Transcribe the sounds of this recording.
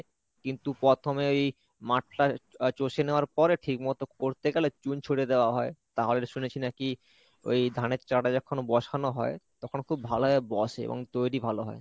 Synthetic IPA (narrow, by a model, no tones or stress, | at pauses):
kint̪upɾɔt̪ʰomeoj | maʈ̚ʰʈat͡ɕoʃeneoaɾpɔɾeʈʰikmɔt̪okoɾt̪ekɛlet͡ɕunt͡ɕʰoʈed̪eoaɦɔet̪aɦoleɾʃunet͡ɕʰinaki | o̰jd̪ʱaneɾt͡ɕaʈad͡ʑɔkʰonobɔʃanoɦɔet̪ɔkʰonkʰubːʱaloɦɔebɔʃeḛbo̰ŋt̪ojɾibʱaloɦɔ̰e